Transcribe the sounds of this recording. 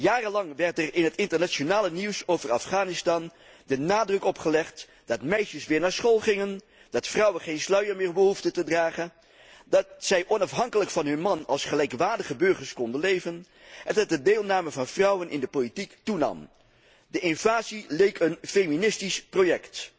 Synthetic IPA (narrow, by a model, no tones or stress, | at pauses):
jaːrəlɑŋʋɛɹtɛrɪnɦətɪntəɹnaːt͡ʃonaːləniwsowvərɑ̰fχaːnɪstɑn | dənaːdrɵkɔpχəlɛχt | d̥ɑtmɛjʃəsʋɪːɹnaːɹsχoːlˠχɪŋən | d̥ɑtfrʌwənχejnslœɥəɹmɪːɹbəɦuftətədraːχən | dɑtsɛjʔɔnɑfɦɑŋkələkfɑnɦɵnmɑnɑlˠsχəlɛjkʋaːɹdəχəbɵɹχəɹskɔndənlejvən | ɛndɑt̚dədeːlˠnaːməvɑnvrʌwənʔɪ̰ndəpolitiktunɑ̰m | dəʔɪnv̥aːzilejkənfejminɪstisprojɛkt